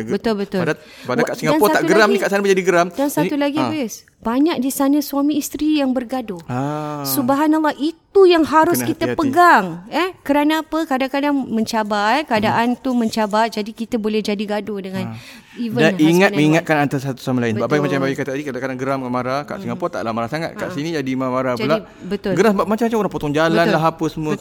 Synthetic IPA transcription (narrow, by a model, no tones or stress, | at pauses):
bət̪ʊlbət̪ʊlda | badakaʔsiŋɡaanpɔsat̪aɡəɾamnĩkaʔsanməd͡ʒadiɡəɾamdansaulaɡibes | baɲak̚disanə̃suamĩːst̪ɾijaŋbərɡadosubaɦanalˠːahit̪ujaŋɦaɾʊskit̪əpəɡaŋɛhkəɾanaːpəkadaŋkadaŋmə̃ɲt͡ʃabakəadaʔant̪umə̃ɲt͡ʃabat̚d͡ʒadikit̪əbolɛhd͡ʒadiɡadodəŋãn | ivədaniŋat̪mə̃iŋat̪̚kanant̪asat̪u̥samalainbbaʔbajmat͡ʃambawikat̪adikadakadaŋɡəɾamamaɾaka̰ʔsiŋapɔt̪a̰ʔlamaɾasaŋat̪̚kaʔsinĩd͡ʒadimamaɾapəla | bət̪ʊlɡəɾasəbaʔmat͡ʃamat͡ʃamoɾaŋpot̪ɔŋd͡ʒalanlaɦapəsəmuə